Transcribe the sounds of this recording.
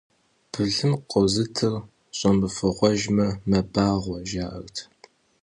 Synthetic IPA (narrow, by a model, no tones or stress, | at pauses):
b̥ɨɮɨmqʷʼɔzɨtʰɨr | ɕʼɔmbɨfɨʁʷɔʒmɐmɐbaːʁʷɔʒaːʔɐ̰rtʰ